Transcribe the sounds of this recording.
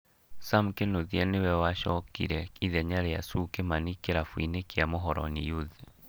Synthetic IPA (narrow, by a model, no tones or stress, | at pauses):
samkenoðiɛnewɛwaʃɔkḭɾɛiðɛɲaɾɛa̰sukemanikeɾafwḭnekeamoɦɔɾɔ̰nḭjoðe